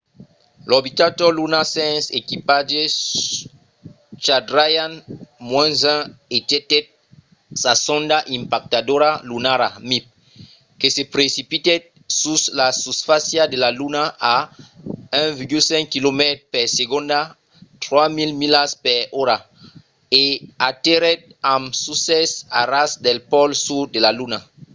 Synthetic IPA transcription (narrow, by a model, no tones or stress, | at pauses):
lɔbit̪at̪ɔlunasɛ̃nsekipad͡ʒes | t͡ʃadɾajanmwɛ̃nzɛ̃et̪ɛt̪ɛt̚ | sasɔ̃nd̪aʔĩmpak̚t̪adoɾalunaɾa̰mip̚ | kesepɾesipit̪ɛt | suslasusfasjadelalunaa | ɛ̃viɡylsɛ̃ŋkkilomɛt̪pɛʁseɡɔ̃nd̪a | t̪ʁwamilmilaspɛʁɔɾa | eat̪eɾɛt̪̚ãmsusɛsaɾasd̪ɛlpɔlsud̪elaluna